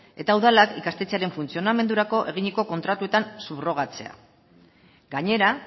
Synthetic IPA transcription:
e̞t̪auðalakikast̪et͡seaɾe̞ɱfunt͡sio̞name̞nd̪uɾako̞ʔe̞ɣ̞iɲiko̞ko̞nt̪ɾat̪uet̪ansuβro̞ɣ̞at͡se̞a̰ | ɡaɲe̞ɾa

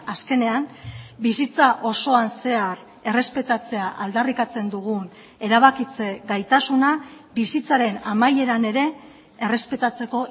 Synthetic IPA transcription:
aske̞ne̞ambisit͡saʔo̞so̞anse̞ar | e̞re̞spe̞t̪at͡se̞aʔald̪arikat͡se̞nd̪uɣun | e̞ɾaβ̞akit͡se̞ɡajt̪asunabisit͡saɾe̞namaje̞ɾane̞ɾe̞ː | re̞spe̞t̪at͡se̞ko̞

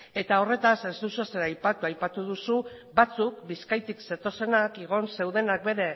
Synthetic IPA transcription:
e̞t̪ao̞re̞t̪ase̞zd̪useseɾajpat̪uajpat̪uðusu | bat͡suk̚biskajt̪ikset̪o̞se̞nakeɣ̞o̞nse̞wðe̞nak̚be̞ɾe̞

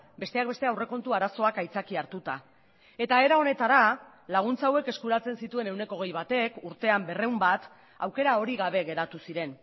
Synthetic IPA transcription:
be̞st̪e̞ak̚be̞st̪e̞awre̞ko̞nt̪uaɾaso̞akajt͡sakiaɾt̪ut̪a | e̞t̪ae̞ɾao̞ne̞t̪aɾa | laɣ̞unt͡sawe̞ke̞skuɾat͡se̞nsit̪ue̞ne̞wne̞ko̞ɣ̞e̞jβat̪e̞kuɾt̪e̞ambe̞re̞wmbat̪ | awke̞ɾao̞ɾiɣaβ̞e̞ɣe̞ɾat̪usiɾe̞n

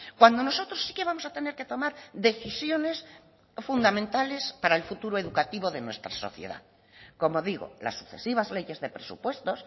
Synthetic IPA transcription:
kwand̪o̞no̞so̞t̪ɾosːi̥ke̞β̞amosat̪ene̞ɾke̞t̪o̞maɾðe̞θisjo̞ne̞s | fund̪amẽnt̪ale̞spaɾaelfut̪uɾoe̞ðukat̪iβo̞ðe̞nwe̞st̪ɾaso̞̰θjḛða̰ | ko̞mo̞ðiɣo̞̰la̰sːu̥kθe̞̰siβ̞azle̞ʝe̞zðe̞pɾe̞sṵpwe̞st̪o̞s

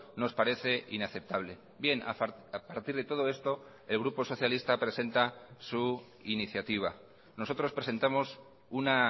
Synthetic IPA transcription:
no̞spaɾe̞θe̞ʔinaθe̞p̚t̪aβle̞ | bje̞naapaɾt̪iɾðe̞t̪o̞ð̞o̞e̞st̪o̞ | e̞lɣ̞ɾupo̞so̞θjalist̪apɾe̞se̞nt̪asu | iniθjat̪iβ̞a | no̞so̞t̪ɾo̞spɾe̞se̞nt̪amo̞s | una

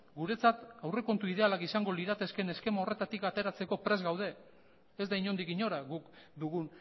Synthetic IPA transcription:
ɡuɾe̞t͡sat̪awre̞ko̞nt̪uið̞ealakisaŋɡo̞liðat̪e̞ske̞ne̞ske̞mao̞re̞t̪at̪ikat̪e̞ɾat͡se̞ko̞pɾe̞zɣawð̞e̞ | ezd̪aiɲo̞nd̪ikiɲo̞ɾaɣukd̪uɣun

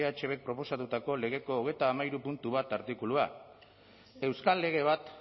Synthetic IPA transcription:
eat͡ʃe̞βe̞k̚pɾo̞po̞sat̪ut̪ako̞le̞ɣ̞e̞ko̞ːɣe̞jt̪aːmaiɾupunt̪uβ̞at̪aɾt̪ikulua | e̞wskalːe̞ɣ̞e̞β̞at̪

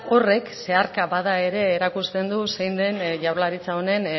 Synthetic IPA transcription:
o̞re̞kse̞aɾkaβaðae̞ɾe̞ːɾakust̪e̞nd̪usejnd̪e̞nʝawɾlaɾit͡saone̞n

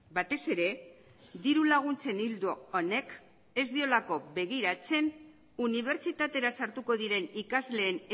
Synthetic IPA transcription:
bat̪e̞se̞ɾe̞ | d̪iɾulaɣ̞unt͡se̞nild̪uone̞k | e̞zd̪io̞lako̞βe̞ɣiɾat͡se̞n | uniβ̞e̞ɾt͡sit̪at̪e̞ɾasaɾt̪uko̞ðiɾe̞nikazle̞ːn

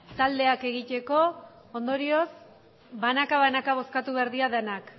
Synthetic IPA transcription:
t̪ald̪e̞ake̞ɣ̞it̪e̞ko̞ | ond̪o̞ɾio̞s | banakaβanakaβ̞o̞skat̪uβeɾðiaðenak

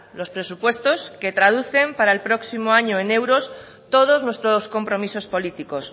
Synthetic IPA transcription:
lo̞spɾe̞supwe̞st̪o̞ske̞t̪ɾað̞uθe̞mpaɾaelpɾo̞ksimoaɲoene̞wɾo̞s | t̪o̞ð̞oznwe̞st̪ɾosko̞mpɾo̞misospo̞lit̪iko̞s

